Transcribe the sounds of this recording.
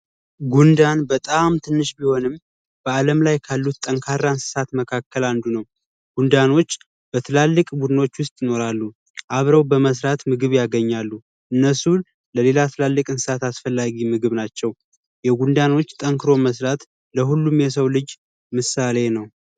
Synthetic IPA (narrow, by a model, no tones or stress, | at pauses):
ɡund̪anbət̪ʼamt̪ʰɨnːɨʃbiho̞nɨm | b̥əaləmlajkʰalːut̪t̪ʼːəŋkʰarːansɨ̥sat̪məkʰakːəland̪unəw | ɡ̥und̪ano̞t͡ʃː | b̥ət̪ʰɨlalːɨkʼbud̪ɨno̞t͡ʃːwʊst̪ʼjɪno̞ɾalːu | ʔaβɾəwbəməs̬ɾat̪mɨɡɨβjaɡəɲːalːu | ʔɨnːəsu | ləle̞lat̪ʰɨlalːɨkʼɨnsɨ̥sat̪asfəlːaɡimɨɡɨβnat͡ʃːɛw | jɛɡund̪ano̞t͡ʃːt̪ʼəŋkʰɨɾo̞məsɾat̪ | ləɦulːumjɛs̬əwlɨd͡ʒ | mɨsale̞nəw